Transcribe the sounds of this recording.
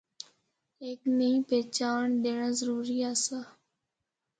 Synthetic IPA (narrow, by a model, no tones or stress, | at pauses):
eːknəĩːpeːt͡ʃaːɳɗ̪eːɳãːzəɾuːɾiːaːsaː